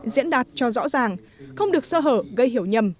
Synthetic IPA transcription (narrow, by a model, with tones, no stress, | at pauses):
zḭ˧˥ənɗaː˨˩t̚t͡ɕɔ˧zɔ̰˧˥zaː˨˩ŋ | xə˧wŋ͡mɗɨ˨˩ək̚səː˧ɦəː˧˩ɣə˧jɦi˧˩əwɲə˨˩m